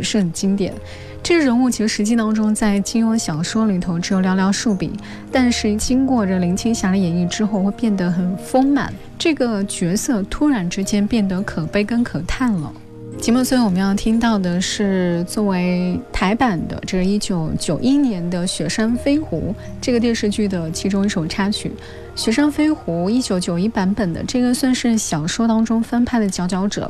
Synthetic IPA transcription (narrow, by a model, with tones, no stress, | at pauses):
ʂə˥˩d̪ə˩t͡ɕi˥ŋt̪jɛ̰˨˩˦n | ʈ͡ʂɤ˥˩ɡə˧ɻə˧˥nu˥˩t͡ɕʰi˧˥ʂ̩˧˩ʂɻ̩˧˥t͡ɕi˥˩t̪ɑ˥ŋʈ͡ʂʊ˥ŋt͡sa˥˩ɪt͡ɕi˥ɔ˧˥nɕjɑ˨˩ʊʂwɔ˥li˨˩t̪ʰo˧˥ʊʈ͡ʂɻ̩˧˥jo˨˩ʊljɑ˧˥ʊljɑ˧˥ʊʂu˥˩pḭ˨˩˦ | t̪a˥˧nʂɻ̩˥˩t͡ɕi˥ŋkwɔ˥˩ʈ͡ʂə˩li˧˥ŋt͡ɕʰi˥ŋɕja˧˥lə˧jɛ˧˥ni˥˩ʈ͡ʂɻ̩˥xo˥˧ʊxwɪpjɛ˥˩nd̪ə˧˦xə˨˩nfo˥ŋma̰˨˩˦n | ʈ͡ʂɤ˥˩ɡə˩t͡ɕɥɛ˧˥sɤ˥˩t̪ʰu˥ɻa˧˥nʈ͡ʂɻ̩˥t͡ɕjɛ˥npjɛ˥˩nd̪ə˩˦kʰɤ˨˩pe˥˩ɪkə˥nkʰɤ˨˩t̪ʰa˥˩nlə̰˩ | t͡ɕi˧˥m˥˩swo˥wɔ˨˩mə˧˦jɑ˥˩ŋt̪ʰi˥ŋt̪ɑ˥˩ʊd̪ə˩ʂɻ̩˥˩t͡swɔ˥˩we˧˥ɪt̪ʰa˧˥ɪpa˨˩nd̪ə̰˦ʈ͡ʂɤ˥˧ʂɻ̩˥˧i˥˩t͡ɕjo˧˥ʊt͡ɕjo˨˩ʊʔi˥njɛ˧˥nd̪ə˧ɕɥɛ˧˥ʂa˥nfe˥ɪxṵ˧˥ | ʈ͡ʂɤ˥˩ɡə˩t̪jɛ˥˧nʂɻ̩˥˧t͡ɕy˥˩d̪ə˩t͡ɕʰi˧˥ʈ͡ʂʊ˥ŋi˥˩ʂo˨˩ʊʈ͡ʂʰa˥t͡ɕʰy̰˨˩˦ | ɕɥɛ˧˥ʂa˥nfe˥ɪxu˧˥i˥t͡ɕjo˧˥ʊt͡ɕjo˨˩ʊi˥pa˧˥npə˨˩nd̪ə̰˦ʈ͡ʂɤ˥˩ɡə˧swa˥˧nʂɻ̩˥˩ɕjɑ˨˩ʊʂwɔ˥t̪ɑ˥ŋʈ͡ʂʊ˥ŋfə˥npʰa˥˩ɪd̪ə˩t͡ɕjɑ˧˥ʊt͡ɕjɑ˧˥ʊʈ͡ʂɤ̰˨˩˦